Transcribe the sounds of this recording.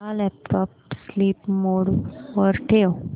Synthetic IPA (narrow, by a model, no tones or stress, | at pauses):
alɛp̚ʈɔpsliːpmoɽʋəɾʈʰew